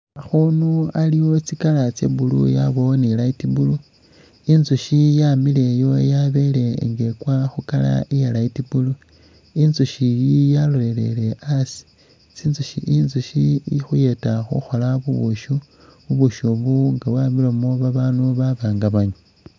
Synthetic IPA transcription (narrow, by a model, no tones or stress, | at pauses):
axunualiwo̞t͡sikalat͡sḛbulṵjaβo̞nilaitibulu | inzuʃijamile̞jo̞jaβe̞le̞ŋɡe̞kwaxukala̰ijelaitibulu | inzuʃijijalole̞le̞̰le̞ʔasi̥ | t͡sinzuʃḭʔinzuʃixuje̞taxṵxo̞laβuβuʃu | βuβuʃoβuŋɡawaːmilomoβaβaːnuβaβaːŋɡaβaɲu